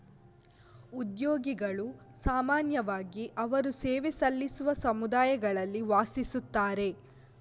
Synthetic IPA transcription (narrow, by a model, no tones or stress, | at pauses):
ud̪joːɡiɡɐɭusaːmaːnjɐʋaːɡiʔɐʋɐɾuseːʋesɐlːisuʋɐsɐmud̪aːjɐɡɐɭɐlːiʋaːsisut̪ːaːɾe̞